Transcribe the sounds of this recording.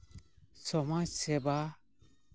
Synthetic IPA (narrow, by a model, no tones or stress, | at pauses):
sɔmaseba